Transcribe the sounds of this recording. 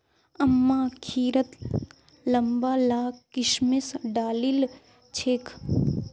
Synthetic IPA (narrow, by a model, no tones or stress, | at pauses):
ɐmːaːkʰiːɾət̪ | lɐmbaːlaːkkːɪʃmesɖaːlil | t͡ʃʰeːkʰ